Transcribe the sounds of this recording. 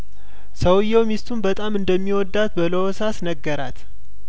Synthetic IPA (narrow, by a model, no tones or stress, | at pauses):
səwjːɛwmist̪ʰunbət̪ʼamɨnd̪əmːiwɔd̪ːat̪bələwɔsasnəɡːəɾat̪